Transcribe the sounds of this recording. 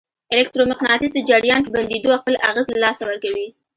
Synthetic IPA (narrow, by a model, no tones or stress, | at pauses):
ɪlekt̪ɾomɪqnɑt̪ɪzd̪əd͡ʒaɽjɑnpəband̪ed̪oaxpəlaɣazlalɑsawəɾkawi